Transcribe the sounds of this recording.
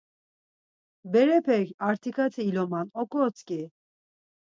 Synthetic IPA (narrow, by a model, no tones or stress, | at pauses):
bɛɾɛpʰɛkaɾt̪ʰikʰat̪ʰiːlɔmanɔkʼɔt͡skʼi